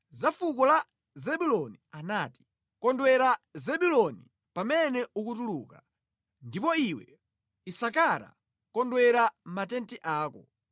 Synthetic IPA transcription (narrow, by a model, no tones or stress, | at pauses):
zafukɔla | zɛɓulɔnianaːti̥ | kɔndwɛɾazɛɓulɔni | pamɛnɛukutuluka | ndipɔiwɛ̰ | isakaɾa̰ | kɔndwɛɾam̩matɛntiʔaːkɔ